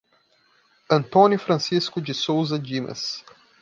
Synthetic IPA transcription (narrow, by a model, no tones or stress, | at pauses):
ɐ̃nt̪õnjʊfɾɐ̃siskʊd͡ʒɪsowzɐd͡ʒimɐ̰s